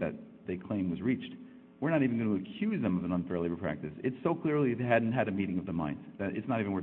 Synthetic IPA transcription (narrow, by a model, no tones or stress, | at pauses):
ðɨ̰t̪̚ | ðeɪkʰl̥ẽɪ̃mwʌzɹit͡ʃt | wɨɹnəɾivɨ̃n̩ɡʌñəːkʰj̥ʉzðɨ̃mʌvə̃nə̃nfɛ˞lˠeɪvə˞pʰɹ̥æ̰k̚tɨsɨtsoʊkʰl̥ɪɹlˠieædⁿn̩t̚ɦɨɾɨmiɾɪ̃ŋʌvðəmã̰ɪ̃ndz̥ðɨɾʔɨ̰tsnəɾiṽnwɜ˞